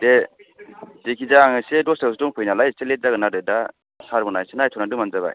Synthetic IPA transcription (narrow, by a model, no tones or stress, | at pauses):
de | dekʰizaːŋɯsedɔsdawsdɔŋpʰɯjnalajselet̚zaɡɯnadɯda | saɾbɔnajsenajtʰɔnadɯmanzaba̰j